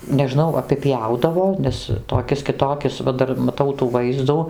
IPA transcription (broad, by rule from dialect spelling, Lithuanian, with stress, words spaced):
nʲɛˈʒnɐʊ ɐpʲɪˈpʲjɛʊdɐʋoː ˈnʲɛs toːˈkʲɪs kʲɪˈtoːkʲɪs ʋɐ ˈdɐr mɐˈtɐʊ tuː ˈʋɐɪzduː